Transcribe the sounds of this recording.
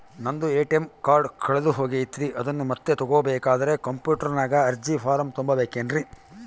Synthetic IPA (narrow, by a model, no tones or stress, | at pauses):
nɐnd̪ueːʈemkaːɾɖkʰɐɭed̪uɦo̞ːɡeit̪ːiɾiʔɐd̪ɐnːumɐt̪ːet̪ɔɡoːɐbɛːkaːd̪ɐɾe̞kɐmpjuːʈɐɾɐnaːɡɐɐɾd͡ʒipʰaːɾɐmt̪umbɐbeːkeːnɾi